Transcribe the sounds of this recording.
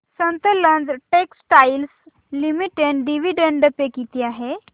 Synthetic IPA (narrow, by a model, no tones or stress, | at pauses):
sənt̪ələnd͡zʈeksʈails | limiʈeɳɖɖiʋiɖəɳɖəpekit̪iːaɦe